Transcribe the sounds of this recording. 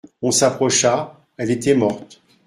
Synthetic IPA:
ɔ̃sapχɔʃa | ɛlet̪ɛmɔʁt̪

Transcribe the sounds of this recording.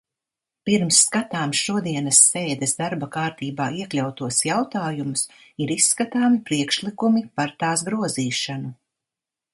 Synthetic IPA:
piɾmsːkat̪aːmʃuɔd̪iɛnɐsːeːd̪ɛsd̪aɾbakaːɾt̪iːbaːiɛklʲawt̪uɔsjawt̪aːjumusiɾisːkat̪aːmipɾiɛkʃlˠikumipaɾt̪aːsɡɾuɔziːʃanu

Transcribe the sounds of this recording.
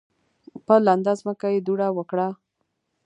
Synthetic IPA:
pəland̪azməkajed̪uɽawəkɽa

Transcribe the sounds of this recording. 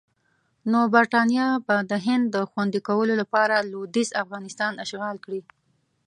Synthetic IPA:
nobaɾʈɑnjɑbad̪əɦɪnd̪ːəxwand̪ikawəlolapɑɾalod̪isafɣɑnɪst̪ɑnaʃɣɑlkɽi

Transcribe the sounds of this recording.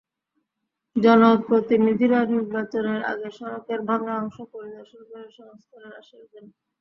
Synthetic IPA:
d͡ʑɔnopɾot̪inid̪ʱiɾaniɾbat͡ɕoneɾa̰ɡeʃɔɾokeɾbʱaŋaɔŋʃopoɾid̪ɔɾʃonkɔeʃɔŋst̪ʰaɾeɾaʃeɾd̪en

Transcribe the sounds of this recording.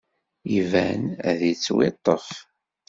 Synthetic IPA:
ivænðit͡sːwɪ̰t̪ˤːəf

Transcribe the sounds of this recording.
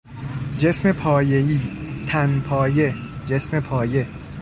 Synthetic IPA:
d͡ʒe̞sme̞pʰɒːjejiːt̪ʰænpʰɒːje̞d͡ʒe̞sme̞pʰɒːje

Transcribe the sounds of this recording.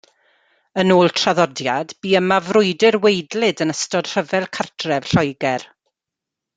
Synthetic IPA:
ənoːlˠtʰr̥aðɔdjadb̥iːəmavrʊjdɪrwejdlˠɨdənəstɔd̥r̥əvɛlˠkʰartʰrɛv̥ɬɔjɡɛr

